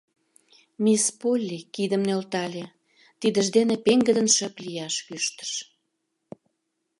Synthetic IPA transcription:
mispolʲːikid̪əmnølt̪ɑlʲe | t̪id̪ə̆ʒd̪enepeŋɡə̆d̪ənʃəplijɑʃkyʃt̪ə̥ʃ

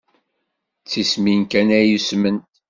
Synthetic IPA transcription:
t͡sːisminkænæjusmən

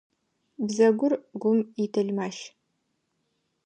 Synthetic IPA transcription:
bzɐɡʷʊrɡʷʊmitʰɐɮmaːʃ

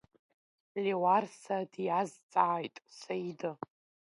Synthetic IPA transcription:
lʲewarsadjazt͡sʼaːjtʼsajdɨ

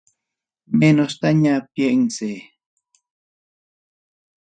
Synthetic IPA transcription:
menost̪aɲapjeʔŋse

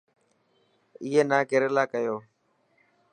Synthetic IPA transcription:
iːɦeːnaːkɪɾelaːkəjoː

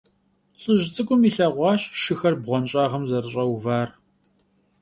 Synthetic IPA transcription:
ɬʼɨʒt͡sʼɨkʷʼʊmiːɬɐʁʷɑːɕʃɨxɐrbʁʷɔnɕʼaːʁɐmzɐrɨɕʼɐwvaːr

